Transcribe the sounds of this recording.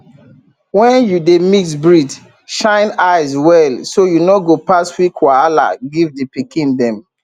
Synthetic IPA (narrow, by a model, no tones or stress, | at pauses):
wɛ̃njudemisbɹid | ʃãɪ̃naɪzwɛlsojunoɡopastwikʰwaala̰ɡivdipikĩndɛ̃m